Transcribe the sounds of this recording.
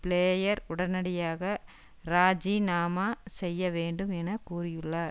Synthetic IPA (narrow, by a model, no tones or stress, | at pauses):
pɭeːjɐɾʊɽɐnɐɽɪjaːɣɐ | ɾaːd͡ʒinaːmaːsɛjːɐʋeːɳɖɯmɛnɐkuːrɪjɯɭːɐ